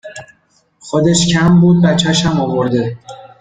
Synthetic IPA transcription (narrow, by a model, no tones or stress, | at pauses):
xod̪eʃcʰæmbuːd̪̚bæt͡ʃʰːæʃæmɒvoɾd̪e